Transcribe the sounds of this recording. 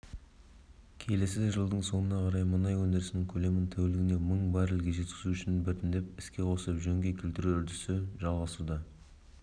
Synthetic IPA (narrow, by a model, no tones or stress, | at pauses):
kʲʰe̞le̞sɪʒəlˠd̪əɴso̞nənɑqʰɑɾɑjmənɑjwɵnd̪e̞ɾɪsɪnɪŋkʲʰɵle̞mɪnt̪ʰæwɪlɪɡʲɪne̞məɴbɑɾɪlɡʲe̞ʒe̞t̪kʲɪ̥zuʏʃɪnbɪɾt̪ɪnd̪e̞pɪskʲe̞qʰo̞səəpʒɵŋɡʲe̞kʲʰelt̪ɪɾuʏɾd̪ɪsɪʒɑlˠʁɑsud̪ɑ